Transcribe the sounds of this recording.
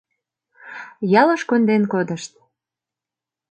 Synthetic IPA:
jɑlɤ̆ʃkond̪enkod̪ə̆ʃt̪̚

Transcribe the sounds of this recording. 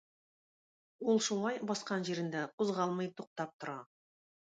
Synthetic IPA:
ulˠʃulˠɑjbɑsqɑnʑiɾɘ̆nd̪æquzʁɑlˠmɤjt̪uq̚t̪ɑp̚t̪ŏɾɑ

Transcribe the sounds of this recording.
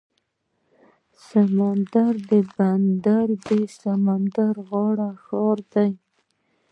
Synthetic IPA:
samand̪aɾd̪əband̪aɾb̪esamand̪aɾɣɑɽaxɑɾd̪aj

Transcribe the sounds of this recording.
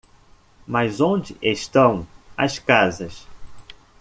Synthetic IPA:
mɐzõd͡ʒɪʔeʃt̪ɐ̃w̃ɐ̰skazɐs

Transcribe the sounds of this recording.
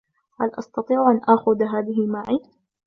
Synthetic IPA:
halʔɑst̪ɑt̪ˤiːʕʔanʔaːxʊðɦaːðɪɦɪmaʕiː

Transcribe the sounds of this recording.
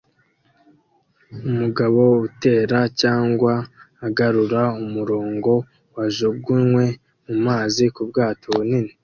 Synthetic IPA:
umuɡaβo̞ute̞ːɾacaːŋɡwaː | ɡaɾuɾaumuɾo̞ːŋɡo̞ | waʒoɡuŋwe̞ | mumaːzikubɡaːtʰo̞βunini

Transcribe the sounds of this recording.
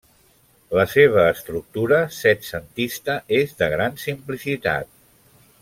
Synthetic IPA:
ləseβ̞əːst̪ɾuk̚t̪uɾəsɛt̪sənt̪ist̪əʔezðəɣɾansimplisit̪a̰t̪̚

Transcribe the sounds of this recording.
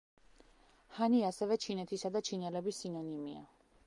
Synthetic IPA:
haniasɛvɛt͡ʃʰinɛt̪ʰisad̪at͡ʃʰinɛlɛbisinɔnimia̰

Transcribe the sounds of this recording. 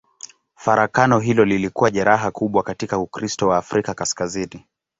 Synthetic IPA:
faɾʔakanɔɦilɔlilikuwaʄɛɾaɦakuɓwakatikaukɾistɔwaːfɾikakaskazini

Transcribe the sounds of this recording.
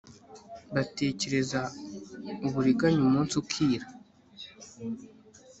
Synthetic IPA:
βate̞ːce̞ɾe̞za | uβuɾiɡaɲumuːnsukʰiːɾa

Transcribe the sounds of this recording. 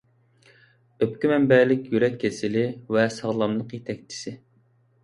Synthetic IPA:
øpkʲimɛmbɛlɪkʲjyɾɛkʲʰːesɪlɪvɛsɑʁlˠɑmlˠəqjet̪ʰɛk̚ʲt͡ʃʰi̥sɪ

